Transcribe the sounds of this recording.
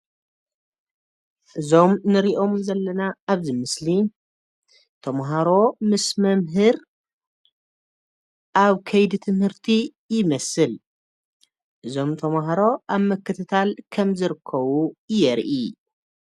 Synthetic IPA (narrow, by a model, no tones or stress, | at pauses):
ʔɨzo̞mnɨɾiʔo̞mzɐlːɐnaːβzɨmɨsli | t̪ʰɐmɦaɾo̞mɨsmɐmɦɨɾ | ʔaβkʰɐjd̪it̪ʰɨmhɨɾt̪ʰi | jɪmɐsɨl | ʔɨzo̞mt̪ʰɐmɦaɾo̞ʔaβmɐkʰːɨt̪ʰɨt̪ʰalkʰɐmzɨɾɨkʰːɐβujɛɾʔi